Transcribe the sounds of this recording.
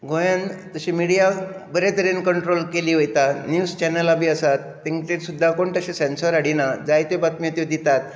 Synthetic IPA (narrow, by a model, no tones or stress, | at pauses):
ɡʱojãnt̪əɕĩmiɽijabəɾet̪əɾenkəɳʈɾolkeliːʋəjt̪anjust͡ɕɛnəlabʱiːəsat̪ːeŋt̪eɾsud̪ʱːakoɳʈ̪əɕesensəɾaɽinad͡zajt̪epat̪miət̪id̪it̪at̪̚